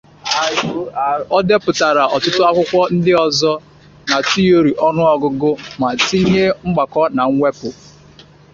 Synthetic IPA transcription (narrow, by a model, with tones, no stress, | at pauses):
a˨jʊ˨ɔ˦de˦pʊ˨ta˨ɾa˨ʔɔ˨tʊ˦tʊ˦a˦kʷʊ˦kʷɔ˦n̩˦dɪ˦ɔ˨zɔ˦ | na˨ti˦o˦ɾi˨ʔɔ˦nʊ˦ɔ˨ɡʊ˦ɡʊ˦ma˨ti˦ɲe˦ŋ͡m̩˦ɡ͡ba˨kɔ˦na˨ŋ̩˦ŋʷe˦pʊ˨